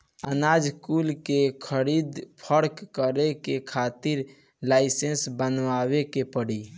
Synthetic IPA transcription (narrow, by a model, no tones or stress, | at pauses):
ənad͡ʒkulkekʰəɾid̪pʰəɾkːəɾekekʰat̪iɾ | laɪsensbənʋawekepəɽi